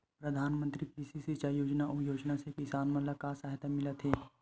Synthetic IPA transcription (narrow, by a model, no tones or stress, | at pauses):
pɾəd̪ʱaːnmə̃nt̪ɾipiːsisit͡ʃajoːd͡ʒnaʔʊjoːd͡ʒnasekɪsaːnmələkasaːɦt̪amɪlət̪ʰɦeː